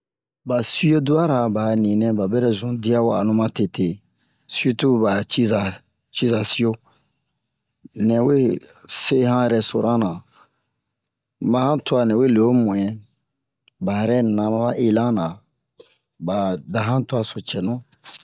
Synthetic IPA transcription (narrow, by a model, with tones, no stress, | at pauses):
ba˨si˦o˦du˦a˦ɾa˨ba˨nĩ˨nɛ̃˦ba˨bɛ˦ɾɛ˦zũ˨˦di˦a˦wa˨a̰˨nũ˦mã˦te˨te˨ | si˦u˦tu˦ba˨t͡ʃi˦za˨ | t͡ʃi˦za˨si˦jo˦ | nɛ̃˨we˦se˦hã˦ɛ˨ɾɛ˦so˨ɾã˦nã˨ | mã˨hã˦tu˦a˨nɛ̃˨we˦˨le˨o˦mũ˨ɛ̃˦ | ba˨ɛ˨ɾɛ˦n˨nã˨mã˦ba˦ʔe˦lã˦nã˨ | ba˨da˨ɦã˦tu˦a˨so˨t͡ʃɛ˨nũ˦